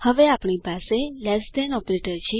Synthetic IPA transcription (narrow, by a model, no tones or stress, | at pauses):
həʋeapɳipaselɛsd̪ɛnɔpɾeʈəɾt͡ʃʰe